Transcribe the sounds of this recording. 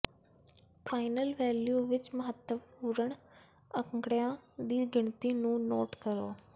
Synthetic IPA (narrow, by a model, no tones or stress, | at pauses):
faːɪnəlʋɛːljuːʋɪt͡ɕmɐɦət̪ːəppuɾəɽ̃ | əŋɡɽijãd̪iːɡɪɳ̃t̪inũːnoːʈkəɾo̰ː